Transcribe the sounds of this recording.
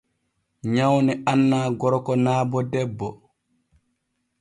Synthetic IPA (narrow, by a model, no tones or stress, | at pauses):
ɲawnɛʔanːaːɡɔɾɔkɔnaːbɔdɛbːɔ